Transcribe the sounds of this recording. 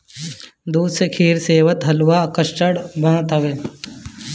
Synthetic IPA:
d̪uːd̪sekʰiːɾseːʋət̪ɦɐlwakəʃʈəɽbɐnt̪ɐʋeː

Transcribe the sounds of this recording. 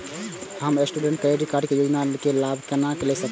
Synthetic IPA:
həmesʈuɖẽɳʈ̚kəeɖikaɾɖkejod͡ʒnakelabʱkənakelɛsək

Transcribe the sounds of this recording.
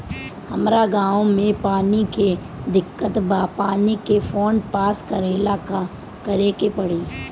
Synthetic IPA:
hɐmɾaɡãːõmẽpaːnike | d̪ɪkːət̪bapaːnikefoːɳɖpaːskəɾɪlaːka | kɐɾeːkepɐɽiː

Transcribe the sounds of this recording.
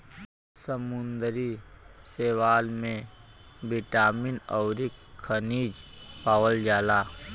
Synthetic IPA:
səmʊnd̪ɾiseːwaːlmẽ | bɪʈaːminɔʊɾikkʰəniːd͡ʒpaːwəld͡ʒaːlaː

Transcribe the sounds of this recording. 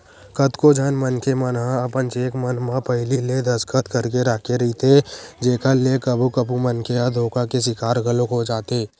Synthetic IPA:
kət̪kod͡ʒʱənmənkemənɦãɐpənt͡ʃeːkmənmãpəɦɪliled̪əskət̪kəɾkeɾaːkʰeɾɐit̪ʰed͡ʒeːkʰəlːekəbʱukəpumənkead̪ʱoːkakes̬ɪkaːɾɡəlõkod͡ʒaːt̪eː

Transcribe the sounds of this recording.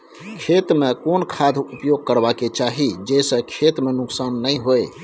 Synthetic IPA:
kʰet̪mekonkʰad̪ʱupjoɡ̚kəɾbaket͡ʃaɦid͡ʒesə̃kʰet̪menʊksanːəjɦoj

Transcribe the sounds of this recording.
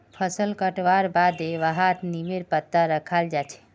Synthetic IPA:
pʰəsəlkəʈʋaɾbad̪eʋəɦat̪nimeɾpət̪ːaɾəkʰald͡ʒat͡ʃʰɛ̥

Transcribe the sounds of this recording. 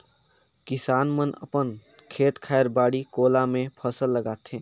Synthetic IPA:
kisaːnmənə̰pən | kʰeːt̪kʰaeɾbaːɽikoːlamẽpʰəsəlːəɡaːt̪ʰẽ

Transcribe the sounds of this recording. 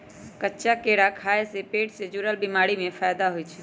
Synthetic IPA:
kətːʃakeɽakʰaesepeːʈsed͡ʒuɾəlbimaɽimẽfʰaːjd̪aɦojt͡ʃʰɛ̥

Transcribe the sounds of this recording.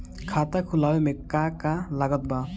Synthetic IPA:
kʰat̪akʰulawemekːakalaɡɔt̪̚ba

